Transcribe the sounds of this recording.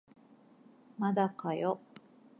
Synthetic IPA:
mad̪akajo

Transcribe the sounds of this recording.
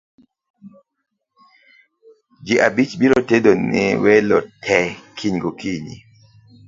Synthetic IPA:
d͡ʒiʔabit͡ʃbiɾotedonɪwɛlɔtʰɛkʰiɲɡokiɲḭ

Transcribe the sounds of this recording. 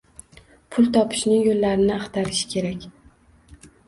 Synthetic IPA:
pʰʊlˠt̪ʰɒpʰɪ̥ʃnɪŋjolːaɾɪnɪaχt̪ʰaɾɪʃɪ̥kʲʰe̞ɾakʲ

